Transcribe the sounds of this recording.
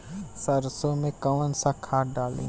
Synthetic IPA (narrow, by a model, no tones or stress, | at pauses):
səɾsomẽkəʋənɪ̆sãkʰaːɖaːlḭ̃ː